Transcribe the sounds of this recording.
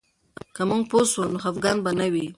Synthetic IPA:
kəmuŋɡposwəlnoɦafɡɑnbanawi

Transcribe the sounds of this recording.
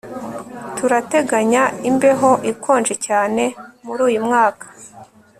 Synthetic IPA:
tuɾate̞ɡaɲaimbe̞ɦo̞ʔikʰo̞ːnd͡ʒe̞caːne̞muɾuːjumŋaːkḁ

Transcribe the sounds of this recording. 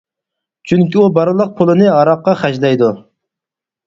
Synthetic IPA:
t͡ʃʰyŋkʲiubɑɾɨlˠəq̚pʰʊlˠɨnɨɑɾɑqːɑχæʒlɛjd̪u

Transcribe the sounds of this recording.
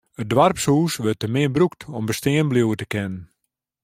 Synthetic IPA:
ət̚dwarpsuːsʋøtəmɪəbruk̚tʰɔmbəstɪənbljuwətəkɪnən

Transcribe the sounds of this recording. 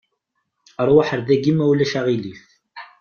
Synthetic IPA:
əɾˤwaħəɾðæɡimæwlæʃaʁilif

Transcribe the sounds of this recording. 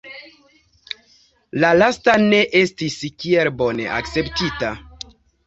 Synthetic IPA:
lalastane̞ʔe̞stiskielbo̞ne̞̰ʔa̰kt͡se̞ptita

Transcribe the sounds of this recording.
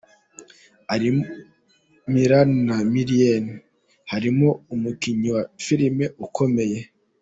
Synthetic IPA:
haɾi | miɾannamiɾieni | haɾimoumukiɲiwafiɾime̞ukʰo̞me̞je̞

